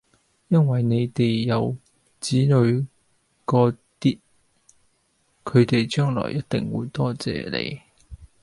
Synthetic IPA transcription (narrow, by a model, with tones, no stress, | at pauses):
jɐ˥nwɐ˨jne˨˧jt̪e˨jːɐ˨˧w | t͡siː˨˥nɵ˨˧ɥ | kɔː˧ | t̪iː˥t̚ | kʰɵ˨˧ɥt̪e˨jt͡ʃœː˥ŋlɔ̰ː˨˩jɐ˥t̚t̪ɪ˨ŋwṵː˨˧˥jt̪ɔː˥t͡sɛ̰ː˨˩lḛ˨˧j